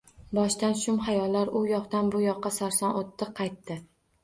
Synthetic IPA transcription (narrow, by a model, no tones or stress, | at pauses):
bɒʃt̪anʃʊmɦajɒlːaɾʊjɒqt̪anbʊjɒqʰːɑsaɾsɒnot̪ʰːɪqʰːɑjt̪ːɪ